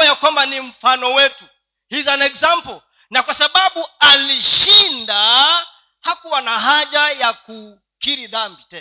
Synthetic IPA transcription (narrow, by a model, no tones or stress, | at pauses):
jakwambanim̩fanɔwɛtu | hizanɛkzampɔl | nakwasaɓaɓualiʃinda | hakuwanaɦaʄajaku | kiɾiðambitɛ